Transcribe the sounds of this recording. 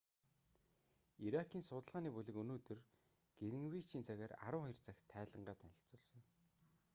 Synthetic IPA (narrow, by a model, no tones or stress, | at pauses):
iɾakʰiːnsʊt̪ə̆ɮʁaːniːpuɮɘ̆kɵnoːt̪ɵ̆r | ɡ̥eɾɘ̆ŋwiːt͡ɕʰiːnt͡sʰæɣʲæːra̰ɾʊ̆ːŋχɔjɞ̆rt͡saxʲt̪ʰːæːɮə̆ɴɢaːt̪ænʲɪ̆ɬt͡sʊːɮsɞ̆n